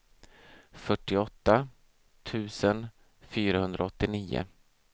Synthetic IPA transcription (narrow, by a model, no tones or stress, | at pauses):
fœʈːɪɔt̪ːa | t̪ʰʉ̟ːsən | fyːɾahɵnd̪ɾaɔt̪ːɪniːʊ̰